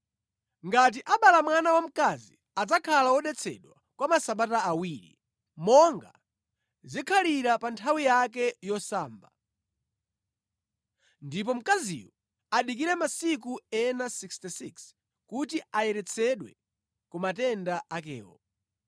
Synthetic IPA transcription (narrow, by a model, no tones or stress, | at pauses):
ŋɡat̬iʔaɓalamwanawam̩kazi | ad͡zakʰalawɔɗɛt͡sʰɛ̰ɗwa | kwamasaɓataːwiːɾḭ | mɔŋɡa̰ | zikʰaliɾapantʰawijak̬ɛjɔsaːmba | ndip̬ɔm̩kazḭwɔ | aɗik̬iɾɛmasik̬uɛnasikstisiks | kutiajɛɾɛt͡sʰɛɗwɛ̰ | kumatɛndaak̬ɛ̰ːɔ̰